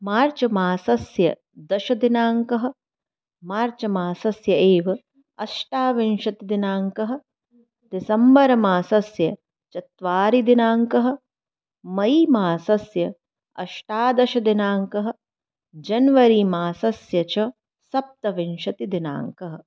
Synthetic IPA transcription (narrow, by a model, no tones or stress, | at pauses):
maːɾt͡ʃɐmaːsɐsjɐ | d̪ɐʃɐd̪inaːŋkɐɦɐ̆ | maːɾt͡ʃɐmaːsɐsjɐeːʋɐ | ɐʃʈaːʋinʃɐt̪id̪inaːŋkɐɦɐ̆ | d̪isɐmbɐɾɐmaːsɐsjɐ | t͡ʃɐt̪ʋaːɾid̪inaːŋkɐɦɐ̆ | mɐimaːsɐsjɐ | ɐ̰ʃʈaːd̪ɐʃɐd̪inaːŋkɐɦɐ̆ | d͡ʒɐnʋɐɾiːmaːsɐsjɐt͡ʃɐ | sɐp̚t̪ɐʋinʃɐt̪id̪ina̰ːŋkɐɦɐ